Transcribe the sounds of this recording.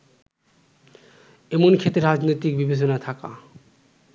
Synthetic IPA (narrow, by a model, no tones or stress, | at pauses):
emonkʰet̪eɾad͡ʑnojt̪ik̚bibet͡ɕonat̪ʰaka̰